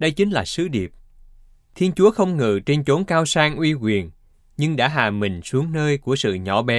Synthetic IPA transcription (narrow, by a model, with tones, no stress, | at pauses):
ɗə˧jt͡ɕï˨˦ŋ̟laː˨˩sɨ˨˦ɗi˨˩əp̚ | t̪ʰi˧ənt͡ɕu˨˦əxə˧wŋ͡mŋɨ̰˧˨t͡ɕe˧nt͡ɕo˨˦nkaː˧wsaː˧ŋʔwi˧kwi˨˩ən | ɲɨ˧ŋɗa̰ː˧˥ɦa̰ː˨˩mï˨˩ŋ̟su˨˦əŋnəː˧jku˧˩əsɨ̰˧˨ɲɔ̰˧˩ɓɛ˨˦